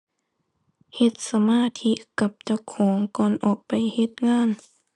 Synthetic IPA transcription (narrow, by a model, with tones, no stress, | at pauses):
he˧˦t̪̚sa˧maː˧˥˨t̪ʰi˧˥ka˧˦p̚t͡ɕa˧˩wkʰɔː˩˦ŋkɔː˧˨nʔɔː˨˩k̚pa˨jhe˧t̪̚ŋaː˧˥˨n